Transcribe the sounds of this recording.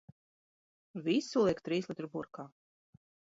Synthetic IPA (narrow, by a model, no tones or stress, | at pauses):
visulˠiɛkt̪ɾiːslˠit̪ɾbuɾkaː